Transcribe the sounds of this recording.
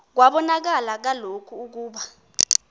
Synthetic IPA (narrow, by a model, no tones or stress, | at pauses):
k̬waɓɔnak̬alak̬alokʰuːk̬uːɓa